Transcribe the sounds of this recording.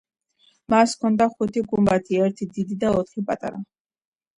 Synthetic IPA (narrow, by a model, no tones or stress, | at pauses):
maskʰɔnd̪aχut̪ʰiɡumbat̪ʰiɛɾt̪ʰid̪id̪id̪aɔt̪ʰχipʼat̪ʼa̰ɾa